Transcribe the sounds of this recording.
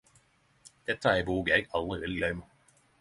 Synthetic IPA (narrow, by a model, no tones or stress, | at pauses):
d̪̥ɛt̪ːəæːɪbuːɡəjɛɪɡɑld̪ʁɪʋɛld̪ɪlœʏmə